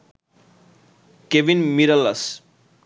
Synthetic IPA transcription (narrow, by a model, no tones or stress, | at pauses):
kebinmiɾʌlːas